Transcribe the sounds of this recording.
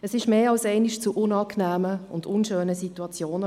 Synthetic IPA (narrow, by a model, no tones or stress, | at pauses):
ɛsɪʃmeːɑlsɛɪniʃt͡suʔʊnɑːknæːməʊ̰ndʊnʃøːnəsituɑt͡sjoːnə